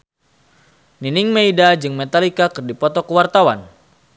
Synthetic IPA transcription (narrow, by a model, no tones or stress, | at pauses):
ninɪŋmeidad͡ʒɨŋmet̪alikakɨrdipɔt̪ɔkəwart̪awa̰n